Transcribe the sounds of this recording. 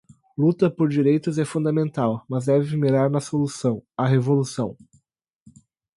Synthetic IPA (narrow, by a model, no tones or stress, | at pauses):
lut̪ɐpoɾd͡ʒiɾejt̪ʊzɛfũnd̪ɐmẽnt̪awmɐzd̪ɛvɪmiɾaɾnɐsolusɐ̃w̃ɐɦevolusɐ̃w̃